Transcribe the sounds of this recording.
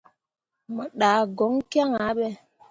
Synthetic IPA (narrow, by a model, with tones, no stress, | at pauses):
mə˨ɗaː˨ɡɔ˨˦ŋkja˦ŋa˨˦ɓɛ˦